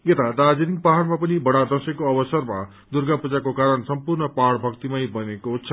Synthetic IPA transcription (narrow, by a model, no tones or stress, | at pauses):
et̪ad̪ad͡zeɾiŋpaɦaɽmapʌnibʌɽad̪ʌsekoʌbʌsʌrma | d̪urɡapud͡zakokaɾʌnsʌmpurnʌpaɽbʱʌkt̪imajbʌnekot͡sʰʌ